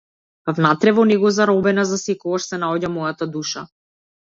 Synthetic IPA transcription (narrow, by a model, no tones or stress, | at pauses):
vnat̪ɾɛvɔnɛɡɔzaɾɔbɛnazasɛkɔɡaʃsɛnaɔɟamɔjat̪ad̪uʃa